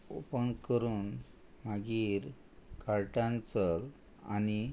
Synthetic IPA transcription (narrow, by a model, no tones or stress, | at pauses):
o̰pənkəɾuːn | maɡiːɾ | kaɾʈãnt͡səl | a̰ni